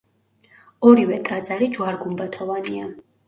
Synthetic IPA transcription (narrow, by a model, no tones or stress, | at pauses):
ɔɾivɛt̪ʼad̪zaɾid͡ʒwaɾɡumbat̪ʰɔvania